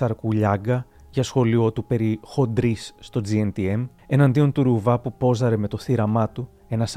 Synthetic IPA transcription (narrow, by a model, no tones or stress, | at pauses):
ɐɾkuʎɐɡɐ | ʝɐsxo̞lio̞t̪upe̞ɾixo̞d̪ɾisːt̪o̞d͡zient̪ie̞m | e̞nɐnd̪io̞nt̪uɾuvɐpupo̞zɐɾe̞me̞t̪o̞θiɾɐmɐt̪u | e̞nɐs